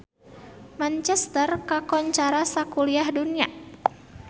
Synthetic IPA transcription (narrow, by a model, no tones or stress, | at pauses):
mant͡ʃɛst̪ərkakɔɲt͡ʃaɾasakuliahdunia̰